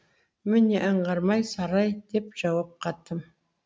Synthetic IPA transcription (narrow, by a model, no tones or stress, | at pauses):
mɪneʔəɴʁɑɾmɑjsɑɾɑjd̪e̞pʒ̥ɑwɑp̚qʰɑt̪ːəm